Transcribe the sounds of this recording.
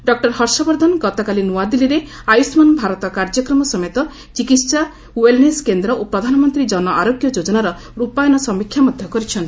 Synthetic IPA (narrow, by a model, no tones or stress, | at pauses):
ɖɔk̚ʈɔɾɦɔɾsɔbɔɾd̪ʱɔnɡɔt̪ɔkalinuad̪iliɾe | ajusmɔnbʱaɾɔt̪ɔkaɾd͡ʒɔkɾɔmɔsɔmet̪ɔ | t͡ʃikit̪sa | uwelneskend̪ɾɔʔopɾɔd̪ʱanɔmɔnt̪ɾid͡ʒɔnɔʔaɾoɡjɔd͡ʒod͡ʒɔnaɾɔ | ɾupajɔnɔsɔmikʰːjamɔd̪ʱjɔkɔɾit͡ʃʰɔnt̪i